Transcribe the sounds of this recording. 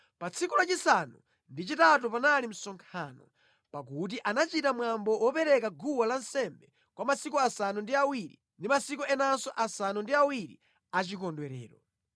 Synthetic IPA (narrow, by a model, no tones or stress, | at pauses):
pat͡sʰikulat͡ʃisanṵ | ndit͡ʃitat̬upanalim̩sɔŋkʰaːnɔ̰ | pakut̬iʔanat͡ʃitamwambɔwɔpɛɾɛkaɡuwalansɛmbɛ | kwamasikuasanundiawiɾi | ndimasik̬uɛnansɔʔasanundiawiɾḭ | at͡ʃik̬ɔndwɛɾɛ̰ːɾɔ̰